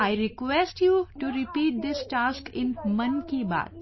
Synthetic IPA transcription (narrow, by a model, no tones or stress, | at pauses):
aɪɾɪkwɛsʈjuʈuɾɪpiːʈ̚d̪ɪsʈaːskɪ̃nmɐ̃nkiba̰ːt̪̚